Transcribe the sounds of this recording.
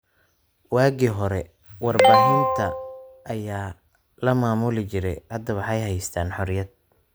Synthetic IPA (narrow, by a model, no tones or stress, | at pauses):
waːɡiɦɔɾɛ | wɑrbaːɦɪnt̪ʰɐʔːjaː | lɐmaːmʊlɪt͡ʃɪɾɛjʕɐd̪ɐwɑħɑjɦɛjst̪ʰaːnħɔɾɪjɐd̪̚